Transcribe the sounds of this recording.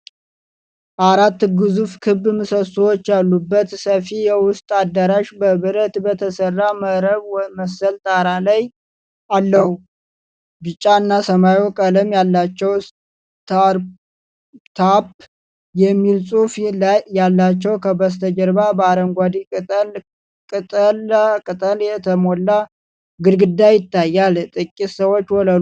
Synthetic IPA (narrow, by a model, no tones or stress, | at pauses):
ʔaɾat̪ːɡɨzufkʰɨbːmɨsəsuwot͡ʃːjalːubːət̪səfijɛwʊst̪ʼad̪ːəɾaʃbəβɨɾət̪bət̪ʰəsərːaməɾəβwməsəlt̪ʼaɾalaj | alːəhu | bɨt͡ʃʼːaɨnːasəmajokʼələmjalːat͡ʃːɛw | t̪ʰaɾ | t̪ʰap | jɛmːilsʼufjalːat͡ʃːɛwkʰəbəst̪ʰəd͡ʒəɾbabəaɾəŋɡʷad̪ikʼɨt̪ʼəl | kʼɨt̪ʼəlkʼɨt̪ʼəljɛt̪ʰəmolːa | ɡɨɾɡɨd̪ːajɪt̪ːajːalt̪ʼɨkʼːisəwo̞t͡ʃːwɔlə